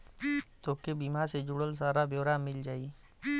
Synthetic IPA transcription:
t̪oːkebimaːɾsed͡ʒʊɽəls̬aːɾabjoːɾaːmɪld͡ʒaːi

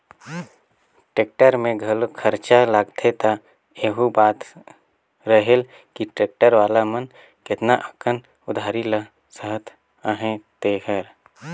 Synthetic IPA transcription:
ʈeːk̚ʈəɾmẽɡʱɐlkʰəɾt͡ʃalaːɡt̪ʰet̪a | eːɦubaːt̪ | ɾəɦel | kiʈeːk̚ʈəɾʋaːlamən | kɪt̪naʔəkʰən | ʊd̪ʱaːɾilə | səɦət̪ʰ | aɦẽt̪eːkʰəɾ

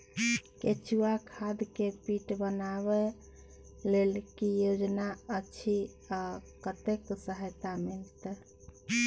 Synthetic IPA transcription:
ket͡ʃuakʰad̪kepiʈbənaβɛ | lelkijod͡ʒnaət͡ʃʰi | akət̪eksəɦəjt̪amilt̪

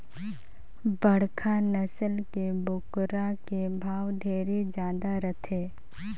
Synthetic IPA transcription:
bəɽkʰanəsəlkebʊkɾakebʱaːwɖ̪ʱeːɾid͡ʒjaːd̪aɾət̪ʰeː

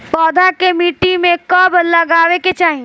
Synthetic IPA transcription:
pɔːd̪ʱakemiːʈimẽkɔbləɡaːʋeket͡ʃaːɦĩ

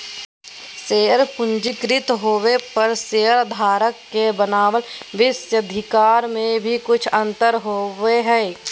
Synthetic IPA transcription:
seːəɾpʊ̃ɲd͡ʒɪkɾɪt̪ɦoːwepɐɾseːəɾd̪ʱaːɾəkːebənaːʋəlʋɪsjəd̪ʱɪkaːɾmẽbʱikʊt͡ʃʰə̃nt̪əɾɦoːʋeɦɛː

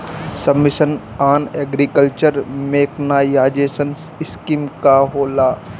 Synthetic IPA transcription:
sɐbːɪsən | aːneːɡɾikəlt͡ʃəɾmeːknaːjaːd͡ʒeːsən | ɪskimkaɦoːlaː

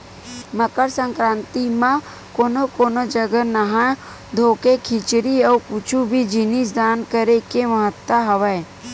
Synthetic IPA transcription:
məkəɾsə̃ŋkɾãːnt̪imã | koːnokoːnod͡ʒəɡənəɦã | d̪ʱoːkekʰɪt͡ʃɾiɔːkut͡ʃʰubʱid͡ʒɪnisd̪aːnkəɾekeməɦət̪ːəɦəʋəe

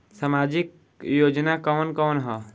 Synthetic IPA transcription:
samad͡ʒik | jod͡ʒnakɔːnkɔnɦɔ

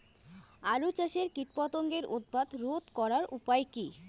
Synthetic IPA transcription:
aɾut͡ɕaʃeɾkiʈ̚pat̪oŋɡeɾʔod̪̚bad̪ɾot̪kɔɾaɾʔupajki

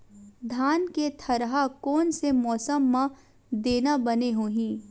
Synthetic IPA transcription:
d̪ʱaːnket̪ʰɐɾɦakɔːnsemɔːsəmːã | d̪eːnabɐneɦoːɦĩː

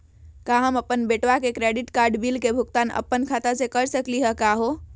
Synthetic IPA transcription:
kaɦəməpːənbeʈʋakekɾeɖiʈkaɾɖbilkebʱukt̪anə̰pːənkʰat̪asekəɾsəkliɦəkaɦo

